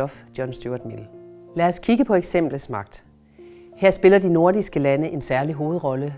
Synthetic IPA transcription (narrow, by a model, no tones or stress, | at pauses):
ɒ̽fd̥jɒnsd̥oɐd̥mel̩læːɐskʰiɡ̥əpʰɒ̽eɡ̥sem̰b̥l̩smɑ̈ɡ̥̚d̥ | heɐ̰sb̥e̝lɐdino̝ɐ̰disɡ̥əlænəʔe̝nsæɐliɦo̝ːð̞̩ˠʁɒ̽lə